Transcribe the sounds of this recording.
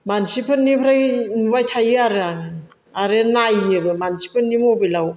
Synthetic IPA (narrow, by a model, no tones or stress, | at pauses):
mansipʰɯnːipʰɾajnbajtʰajɯaɾɯaŋɯ | aɾɯnajɯbɯmansipʰɯnːimobelaw